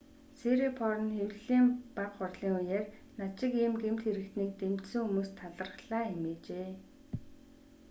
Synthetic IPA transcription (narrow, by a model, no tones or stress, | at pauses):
seɾipʰɔɾɞ̆nxewɮɮiːmpaqχʊrɮiːŋʊjeːrnat͡ɕɪ̆kiːmɡemt̪xeɾɘ̆k̚t̪niːk̚t̪em̥t̪sɘ̆ŋxumuːst̪ʰaɮə̆rχɮaːxemeːt͡ɕeː